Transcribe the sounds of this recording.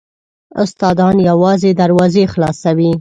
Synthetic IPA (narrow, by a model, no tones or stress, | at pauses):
ʊst̪ɑd̪ɑnjawɑzed̪aɾwɑzexlɑsawi